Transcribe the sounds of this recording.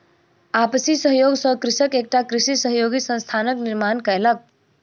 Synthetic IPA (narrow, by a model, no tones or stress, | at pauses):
aːpsisəɦjoːɡsəkɾɪsəkeːk̚ʈakɾɪsisəɦjoːɡisə̃nst̪ʰaːnəknɪɾmaːnkəelək̚